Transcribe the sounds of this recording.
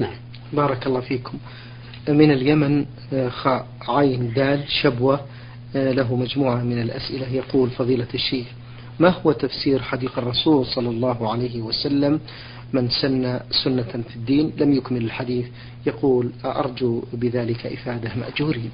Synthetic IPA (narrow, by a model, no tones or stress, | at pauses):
bɑːɾˤɑkɑlˤːɑːfiːkʊm | mɪnɪljaman | xaːʔ | ʕajnd̪aːlʃabwa | laɦʊmad͡ʒmuːʕamɪnɪlʔasʔɪlajɑquːlfɑðˤiːlaʃːeːx | mahʊwat̪afsiːɾħɑd̪iːqɑrˤːɑsuːlsˤɑlːɑlˤːɑːɦʕalajhɪwasalːamː | ɪnsanːasʊnːafɪd̪ːiːnlamjʊkmɪlɪlħad̪iːθ | jɑquːlʔɑ̰ɾˤd͡ʒubɪðaːlɪkaʔɪfaːd̪ama̰ʔd͡ʒuːɾiː